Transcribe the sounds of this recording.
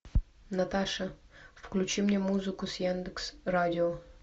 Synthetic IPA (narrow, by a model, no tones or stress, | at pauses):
nɐt̪aʂəfklʲʉt͡ɕimnʲemuzɨkʊsjand̪ɨksradʲɪo